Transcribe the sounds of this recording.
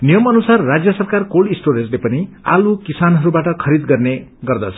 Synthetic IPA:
nijʌmʌnusarːad͡zjʌsʌrkarkolisʈoɾend͡zlepʌni | a̰lukisanɦʌɾubaʈʌkʰʌɾid̪ɡʌrneɡʌrd̪ʌt͡sʰʌ̥

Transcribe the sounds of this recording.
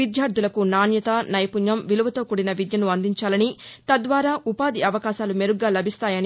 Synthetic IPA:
id̪ʱjaːɾd̪ʱulɐkunaːnjɐt̪ɐnɐjɐpunjɐmʋiluʋɐt̪o̞ːkuɽinɐʋid̪jɐnuɐnd̪iɲt͡ʃaːlɐnit̪ɐd̪ʋaːɾaːʔupaːd̪iɐʋɐkaːʃaːlumeɾuɡaːlɐbʱist̪aːjɐni

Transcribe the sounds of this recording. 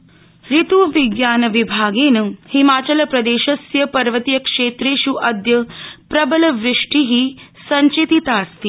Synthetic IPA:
ɾit̪uːʋiɡjaːnɐʋibʱaːɡeːnɨhimaːt͡ʃɐlɐpɾɐd̪eːʃɐsjɐpɐɾʋɐt̪ijɐkʂeːt̪ɾeːʃuʔɐd̪jɐpɾɐbɐlɐʋɾɪʂʈiɦi | sɐɲt͡ʃit̪it̪aːst̪i

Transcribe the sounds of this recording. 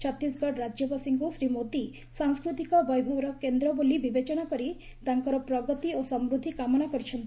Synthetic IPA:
t͡ʃʰɔt̪isɡɔɖɾad͡ʒjɔpasiŋkusɾimod̪i | saŋskɾut̪ikɔbɔjbʱɔbɔɾɔkend̪ɾɔbolibibet͡ʃɔnakɔɾi | t̪aŋkɔɾɔpɾɔɡɔt̪iosɔmɾud̪ʱikamɔɽ̃akɔɾit͡ʃʰɔnt̪

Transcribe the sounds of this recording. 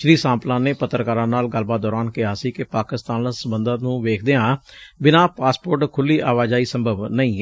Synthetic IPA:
ʃɾiːsãːmplãːneːpət̪ːɾkaːɾãːnaːlɡəlbaːt̪̚d̪ɔːɾaːnkɪɦaːsiːkɪpaːkɪst̪aːnasəbənd̪aːnũːʋeːkʰd̪eːãːbɪnãːpaːspoːɾʈkʰʊlːiːʔaːʋaːd͡ʒaːiːsə̃mbʱəʋnəĩː

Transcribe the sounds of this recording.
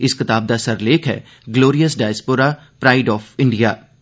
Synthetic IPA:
ɪskɪt̪aːb̚d̪asɐɾleːkʰɦɛ̰ː | ɡloːɾijəsɖaːjspoːɾaː | pɾaːɪɖɔːfʰɪ̃ɳɖijaː

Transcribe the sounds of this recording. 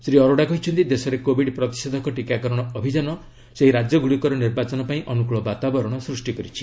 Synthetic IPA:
sɾiɔɾoɽakɔɦit͡ʃʰɔnt̪id̪esɔɾekobʱiɖpɾɔt̪i̥sed̪ʱɔkɔʈikakɔɾɔɽ̃ɔɔbʱid͡ʒanɔ | seɦiɾad͡ʒjɔɡuɭikɔɾɔniɾbat͡ʃɔnɔpaĩʔɔnukuɭɔbat̪abɔɾɔɽ̃ɔsɾusʈikɔɾit͡ʃʰi̥

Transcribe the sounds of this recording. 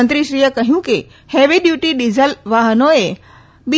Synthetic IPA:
nt̪ɾiʃɾiːjəkɐɦijũki | heːʋiɗjuːʈiɗizəlʋaːɦənoe | ɓi

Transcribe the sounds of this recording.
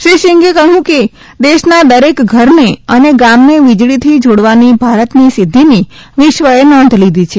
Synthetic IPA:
ʃiʃiŋɡekəɦjũke | d̪eʃnad̪əɾekɡʱəɾneəneɡamneʋid͡ʒɭit̪ʰid͡ʒoɽʋanibʱaɾət̪nisɪd̪ʱːiniʋɪʃʋəenɔ̃nd̪ʱlid̪ʱit͡ʃʰe

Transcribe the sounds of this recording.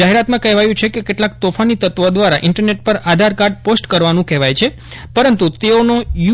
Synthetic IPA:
aɦeɾat̪mãkɛɦʋajũt͡ʃʰekekeʈlak̚t̪ofanit̪ət̪ʋəd̪ʋaɾa̰ʔɪɳʈəɾneʈ̚pəɾad̪ʱaɾkaɾɖposʈkəɾʋanũkɛʋajt͡ʃʰe | pəɾənt̪ut̪eonoju

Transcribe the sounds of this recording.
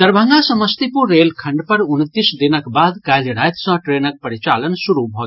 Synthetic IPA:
t̪ɐɾbʱə̃ŋɡasɐməst̪ipuɾeːlkʰɐɳɖpɐɾʊnt̪isd̪inəkbaːd̪kaːjliɽaːjt̪sɐ̃ːʈɾeːnək̚pɐɾit͡ʃaːlənsuɾubʱoːt̪

